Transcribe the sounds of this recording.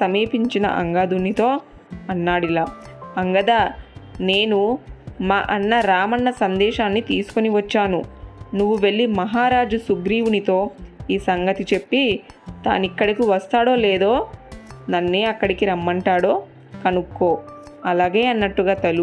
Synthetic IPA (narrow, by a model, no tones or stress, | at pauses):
sɐmiːpiɲt͡ʃinɐ̰ʔɐ̰ŋɡaːd̪unit̪o̞ː | ɐnːaːɽilaːɐŋɡɐd̪aːne̞ːnumaːʔɐnːɐɾaːmɐɳːɐsɐnd̪ɛːʃaːnːit̪iːsu̥koniʋɐt͡ʃːaːnunuʋːuʋe̞ɭːimɐɦaːɾaːd͡ʒusuɡɾiːʋunit̪o̞ːiːsɐŋɡɐt̪it͡ʃe̞pːit̪a̰ːnikːɐɽikiʋɐst̪aːɽo̞ːleːd̪o̞ːnɐnːeːɐkːɐɽikiɾɐmːɐɳʈaːɽo̞ː | kɐnukːoː | ɐlaːɡe̞ːɐnːɐʈːuɡaːt̪ɐlu